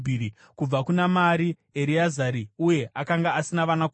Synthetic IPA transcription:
iɾi | kub͡vakunamaɾi | eɾiazaɾiuje̞ʔakaŋɡaːsinaʋanaku

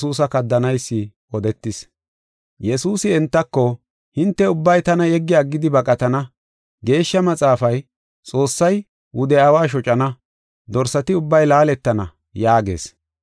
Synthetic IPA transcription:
suːsɐkɐd̪ːɐnɐjsːɪ | ɔd̪ɛt̪ːɪs | jɛsuːsɪɛnt̪ːɐkːɔ | hɪnt̪ːɛʊbːɐjt̪ɐnɐjɛɡːɪjaːɡːɪd̪ɪbɐkʼɐt̪ɐnɐ | ɡe̞ːʃːɐmɐt͡sʼaːfɐj | t͡sʼo̞ːsːɐj | wʊd̪ɛɐwaːʃ̬ɔt͡ʃʼɐnɐ | d̪ɔɾsɐt̪ɪʊbːɐjlaːlɛt̪ːɐnɐ̰ | jaːɡe̞̰ːs

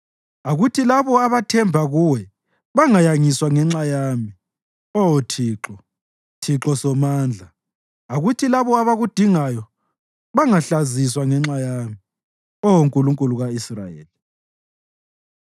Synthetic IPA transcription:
aɣutʰilaβɔaβatʰɛmbʱaɣuwɛ | βaŋajaŋiswaŋɛŋ͡ǁajami | ɔwotʰiːǁɔ | tʰiǁɔsɔmaːnd͡ɮʱa | aɣutʰilaβɔaβaɣud̥ʱiŋajɔ | βaŋaɬaziswaŋɛŋ͡ǁajami | ɔwoŋkʼuluŋkʼuluɣaisra̰jḛːli

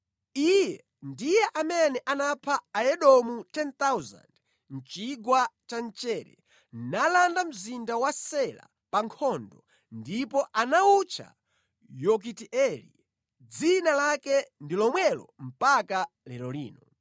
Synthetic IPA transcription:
ijɛ | ndijɛʔamɛnɛʔanapʰaːɛɗɔmutɛnt̪awza̰nd | n̩t͡ʃiɡwat͡ʃant͡ʃɛːɾɛ̰ | nalandam̩zindawasɛla̰ | paŋkʰɔndɔ | ndipɔʔanaut͡ʃʰa̰ | jɔk̬itiʔɛlḭ | d͡zinalakɛndilɔmwɛlɔ̰m̩paka | lɛɾɔlḭːnɔ

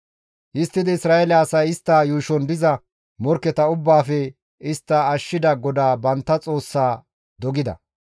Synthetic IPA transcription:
ʔɪst̪ːɪd̪ɪɪsɾaːɛlɛɐsɐjɪst̪ːaːjuːʃɔnd̪ɪzɐ | mɔɾkːɛt̪ɐʊbːaːfɛ | ɪst̪ːɐːʃːɪd̪ɐɡɔd̪aːbɐnt̪ːɐt͡sʼo̞ːsːaː | d̪ɔɡɪd̪ɐ̰

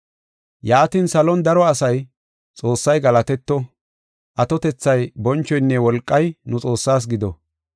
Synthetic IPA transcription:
jaːt̪insɐlɔnd̪ɐɾɔɐsɐj | t͡sʼo̞ːsːɐjɡɐlɐt̪ɛt̪ːɔ | ʔɐt̪ɔt̪ɛt͡sːɐjbɔnt͡ʃːɔjnːɛwɔlkʼːɐjnʊt͡sʼo̞ːsːaːs̬ɡɪd̪ɔ

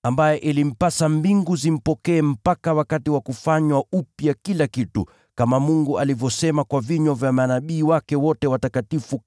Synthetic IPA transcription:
ambajɛʔilim̩pasambiŋɡuzim̩pɔkɛːm̩pakawakatiwakufaɲwaupjakilakitṵ | kamamuŋɡuʔalivjɔsɛmakwaviɲɔvjamanaɓiːwakɛwɔtɛwatakatifu

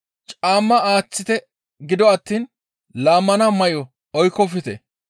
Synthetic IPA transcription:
t͡ʃʼaːmːɐaːt͡sːɪt̪ɛ | ɡɪd̪ɔɐt̪ːiːn | laːmːɐnɐmɐjɔ | ɔjkːɔfɪt̪ɛ̰

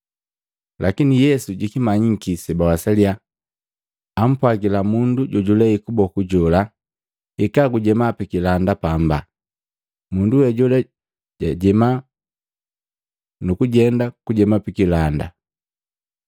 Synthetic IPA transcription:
lʔakinijɛsuɟikimaɲiŋ̩kisɛbawasalia | m̩pwaɡilamunduɟɔɟulɛikubɔkuɟɔla | ikaɡuɟɛmapikilandapamba̰ | munduwɛɟulɛ | ɟaɟɛma | nukuɟɛndakuɟɛmapikilanda̰

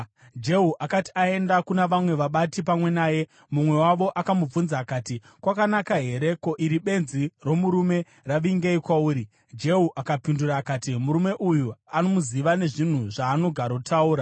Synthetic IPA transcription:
d͡ʒe̞ɦuʔakati̥ae̞ndakunaʋamwe̞ʋaɓatipamwe̞naːje̞ | mumwe̞waʋo̞ʔakamub͡vunzaːkaːti | kwakanakaɦe̞ɾe̞ko̞ʔiɾiɓe̞nziro̞muɾume̞ | raʋiŋɡeikwauːɾi | d͡ʒe̞ɦuʔakapinduɾaːkaːtimuɾume̞ʔujuano̞muziʋane̞ʐin̤uʐaːno̞ɡʱaɾotʰauːɾa

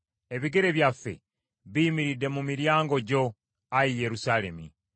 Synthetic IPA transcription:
e̞βiɡe̞ɾe̞βjafːe̞̰ | βiːmiɾidːe̞mumiɾjaːŋɡo̞ɟo̞ | ajije̞ɾusaːle̞mḭ

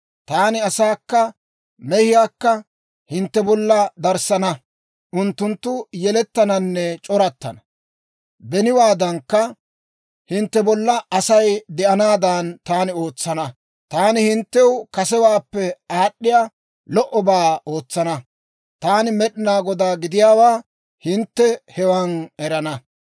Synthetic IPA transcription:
t̪aːnɪɐsaːkːɐ | mɛhɪjaːkːɐ | hɪnt̪ːɛbɔlːɐd̪ɐɾsɐnɐ | ʔʊnt̪ːʊnt̪ːʊjɛlɛt̪ːɐnɐnːɛt͡ʃʼɔɾɐt̪ːɐ̰nɐ | bɛnɪwaːd̪ɐŋkːɐ | hɪnt̪ːɛbɔlːɐɐsɐjd̪ɛʔɐnaːd̪aːnt̪aːnɪo̞ːt͡sːɐnɐ | t̪aːnɪhɪnt̪ːɛwkɐsɛwaːpːɛaːɗːɪja | lɔʔɔbaːo̞ːt͡sːɐnɐ | t̪aːnɪmɛɗɪnaːɡɔd̪aːɡɪd̪ɪjaːwaː | hɪnt̪ːɛhɛwɐnɛɾɐnɐ

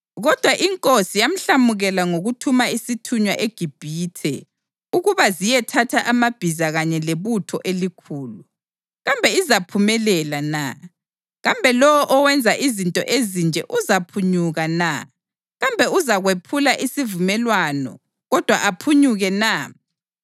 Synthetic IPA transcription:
ɣɔd̥ʱwaʔiŋkʼosijam̩ɬamuɣɛlaŋoɣutʰumaisitʰuɲwaʔeɡ̥ʱib̥ʱiːtʰɛ̰ | uɣuβazijɛtʰatʰaʔamab̥ʱizaɣaɲɛleβutʰɔʔelikʰuːlu | ɣambʱɛizapʰumɛlɛlana̰ | ɣambʱɛlɔwɔʔɔwɛnd͡zʱaʔizintʼɔ̰ʔezind͡ʒʱɛ̰ʔuzapʰuɲuɣana̰ | ɣambʱɛuzaɣwepʰulaʔisivumɛlwanɔ̰ | ɣɔd̥ʱwa̰ʔapʰuɲuɣɛna

